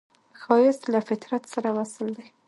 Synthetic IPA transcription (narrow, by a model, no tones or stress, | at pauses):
xɑjɪst̪lafɪt̪ɾat̪saɾawasəld̪aj